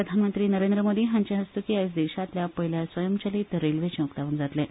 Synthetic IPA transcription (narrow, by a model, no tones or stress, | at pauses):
əd̪ʱanmənt̪ɾiːnəɾẽnd̪ɾəmod̪iːɦãɲt͡ɕaɦəst̪ukiasd̪eɕat̪ljapəɦiljasʋəjəmt͡ɕəliːt̪ɾelʋet͡ɕẽukt̪aʋuːnd͡zat̪le